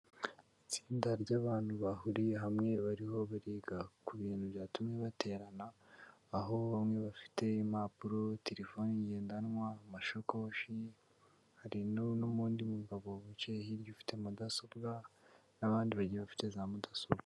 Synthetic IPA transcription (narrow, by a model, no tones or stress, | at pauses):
it͡siːndaɾɟaβaːn̥huβahuɾieɦamŋe̞βaɾiɦo̞βaɾiːɡakuβiːnhubjaːtumɲeβatʰe̞ɾanaː | ɦo̞mŋe̞βafi̥te̞imapuɾotʰe̞ɾefo̞niɲɟe̞ːndanwamaʃokoʃi | haɾinonoβuːndimuɡaβo̞βucehiɾjufi̥te̞mudaso̞b̚ɡanaβaːndiβaɟieβafi̥te̞zaːmudasobɡa